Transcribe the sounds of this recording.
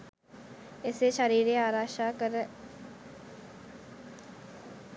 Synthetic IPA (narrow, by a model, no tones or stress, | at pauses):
ɪseʃəɾiːɾeaːɾaːʃaːkəɾ